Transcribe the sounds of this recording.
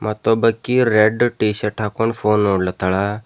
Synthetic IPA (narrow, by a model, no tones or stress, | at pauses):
mat̪obəkːiɾeɖʈiːsəʈʰakonfʰoːnoːɽlat̪əɭa